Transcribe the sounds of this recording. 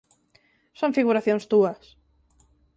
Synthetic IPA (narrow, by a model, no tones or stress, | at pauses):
sõŋfiɣuɾaθjõŋst̪uɐs